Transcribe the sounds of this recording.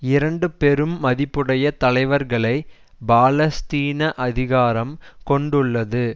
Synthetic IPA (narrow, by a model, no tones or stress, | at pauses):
ɪɾɐɳɖɯpɛɾɯmːɐðɪpːɯɽɐjɐt̪ɐlɐɪʋɐɾɣɐɭɐɪ | baːlɐst̪iːnɐʔɐðɪɣaːɾɐmkɔɳɖɯɭːɐðɯ